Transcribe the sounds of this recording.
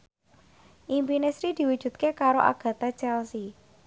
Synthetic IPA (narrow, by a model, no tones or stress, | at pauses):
ʔimpinesɾid̪̥i̤wud̥ʒ̥ṳt̪̚kekaɾoʔa̰ɡ̥ä̤t̪at͡ʃɛlsi